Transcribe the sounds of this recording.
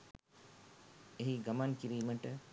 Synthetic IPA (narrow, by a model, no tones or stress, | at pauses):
eɦiɡɐmankiɾiːməʈə